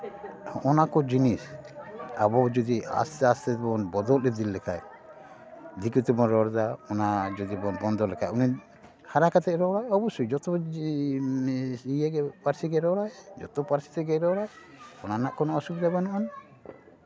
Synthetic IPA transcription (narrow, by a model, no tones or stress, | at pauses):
ɔnakɔd͡ʒinis | a̰bɔd͡ʒɔd̪ia̰st̪ast̪ɛbɔnbɔd̪ɔlɾɛd̪ilːɛkʰa̰j | d̪ikut̪ɛbɔnɾɔɾd̪aɔnad͡ʒɔd̪ibɔnbɔnd̪ɔlɛkajuni | haɾakat̪ɛɾɔɽajɔbɔsɔjd͡ʒɔt̪ɔ | iɛɡɛpaɾsiɡɛɾɔɽajd͡ʒɔ̰t̪ɔpaɾsi̥t̪ɛɡɛɾɔɽaj | ɔnanaʔkɔnɔɔsubd̪abanɔʔan